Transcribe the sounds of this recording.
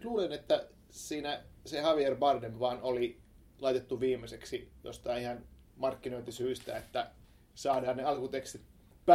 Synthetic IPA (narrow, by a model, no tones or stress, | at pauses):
luːlenet̪ːæ | siːnæsehɑʋierʋɑrd̪emʋɑːnoli | lɑit̪et̪ːuʋiːmːˑeseksijo̰st̪ɑiihɑn | mɑrkːinoit̪ːisyːst̪æ̰et̪ːæ | sɑːdɑːnneɑlkut̪ekst̪it̪̚ | p